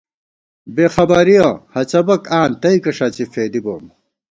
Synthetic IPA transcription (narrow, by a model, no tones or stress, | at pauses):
beːxɐbɐɾijɐhɐt͡ɕɐbɐkaːnt̪ɐikɐʂaːt͡ɕifeːd̪iboːm